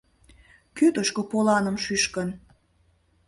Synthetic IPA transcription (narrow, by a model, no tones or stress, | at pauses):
kyt̪əʃkəpolɑnə̆mʃyʃkən